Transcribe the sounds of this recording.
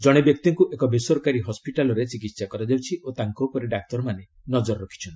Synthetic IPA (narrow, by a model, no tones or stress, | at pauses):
d͡ʒɔɽ̃ebjɔk̚t̪iŋkuʔekɔbesɔɾkaɾiɦɔspiʈalɔɾet͡ʃikit̪sakɔɾad͡ʒawt͡ʃʰiʔot̪aŋkowpɔɾeɖak̚t̪ɔɾɔmane | nɔd͡ʒɔɾɔɾɔkʰi̥t͡ʃʰɔna